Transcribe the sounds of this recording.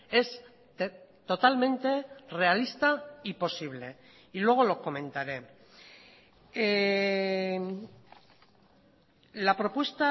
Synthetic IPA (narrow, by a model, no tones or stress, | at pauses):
e̞s | et̪o̞t̪almẽ̞nt̪e̞re̞alist̪aipo̞siβ̞le̞ | ilwe̞ɣ̞o̞lo̞ko̞mẽ̞nt̪aɾe̞ | lapɾo̞pwe̞st̪a